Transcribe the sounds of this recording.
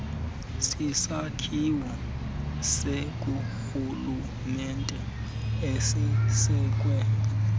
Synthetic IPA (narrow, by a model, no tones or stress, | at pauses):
sisakʰiwa | sek̬ʼuxulu | mɛntʼɛ | esisɛːk̬ʼwɛ